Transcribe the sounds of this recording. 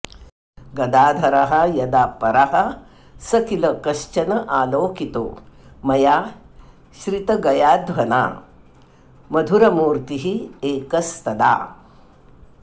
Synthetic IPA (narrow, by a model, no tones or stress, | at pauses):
ɡɐd̪aːd̪ʱɐɾɐɦɐjɐd̪aːpɐɾɐɦɐ | sɐkilɐkɐʃt͡ʃɐnɐʔaːloːkit̪o̰ːmɐjaː | ʃɾit̪ɐɡɐjaːd̪ʋɐna̰ː | mɐd̪ʱuɾɐmuːɾt̪iɦieːkɐst̪ɐd̪a̰ː